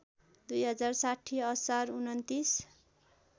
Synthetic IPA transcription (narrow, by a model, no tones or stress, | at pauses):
d̪ujɦʌd͡zarsaʈʰːiʌsarunʌnt̪is